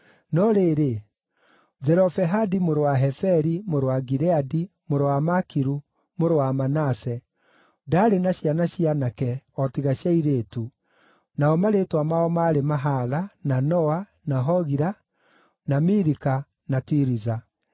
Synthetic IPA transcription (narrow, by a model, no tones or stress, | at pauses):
nɔɾeɾe | zɛɾɔfɛɦadimoɾowaɦɛfɛɾimoɾowaɡiɾɛadi | moɾowamakiɾu | moɾowamanasɛ | daːɾenaɕjanaɕianakɛɔtiɣaɕjaiɾeːtu | naɔmaɾetwamaɔmaɾemaɦalananɔwa | naɦɔɣiɾa | namiɾika | natiɾiza